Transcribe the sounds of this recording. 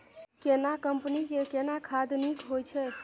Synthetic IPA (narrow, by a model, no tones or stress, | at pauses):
kenakəmpnikekenakʰad̪nikɦojt͡ʃʰɛ